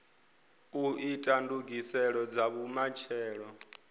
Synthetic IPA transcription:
uitʼanduɡisɛɺɔd͡zaβumat͡ʃʰɛːɺɔ

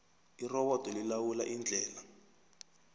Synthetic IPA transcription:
irɔβɔd̥ʱʼɔlilawulaʔind͡ɮʱɛːla

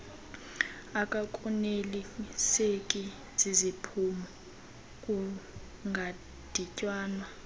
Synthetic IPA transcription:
akʼakʼunelisekʼi | z̥izipʰumu | kʼu | ŋɡʱa | d̥ʱicʼwaːnwa

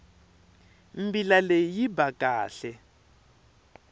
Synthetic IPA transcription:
mbilalejibakʼaːɬɛ

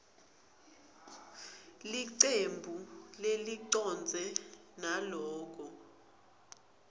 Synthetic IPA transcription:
liǀembʱuleliǀɔnd͡zʱɛnalɔːk̬ʼɔ

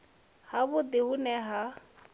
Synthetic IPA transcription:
habʊd̪ɪhʊnɛɦa

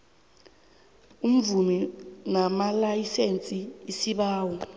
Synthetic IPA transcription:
um̩vuminamalajisent͡sʼiisiɓaːwɔ

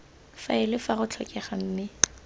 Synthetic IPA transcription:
faɪlɪfaχʊt͡ɬʰɔkʼɛχan̩ːnɪ

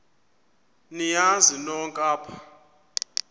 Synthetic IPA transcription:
nijazinɔŋkʼaːpʰḁ

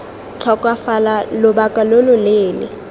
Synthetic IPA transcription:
t͡ɬʰɔkʼwafalalʊbakʼalolʊleːlɪ̰

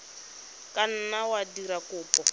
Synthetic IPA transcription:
kʼan̩nawadiɾakʼʊːpʼɔ

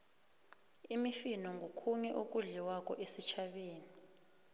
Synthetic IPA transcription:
imifinɔŋɡʱokʰuɲɛʔok̬ʼuɮiwak̬ʼɔ̰ʔesit͡ʃʰaɓeːni

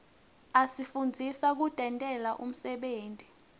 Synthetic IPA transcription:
asifund͡zʱisak̬udʼʱɛntʼɛlaʔum̩sɛɓeːntʼi

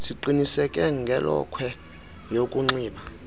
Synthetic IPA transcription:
siǃinisɛkʼɛŋɡʱɛlɔ̰kʰwɛ | jokʼuŋ͡ǀiːɓa

